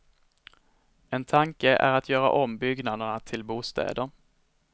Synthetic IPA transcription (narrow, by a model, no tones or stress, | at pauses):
ɛnt̪ʰaŋkəʔæ̰ɾat̪ʰjœːɾa̰ʔɔmbʏɡnad̪əɳat̪ʰɪlbuːst̪ɛ̰ːd̪əɾ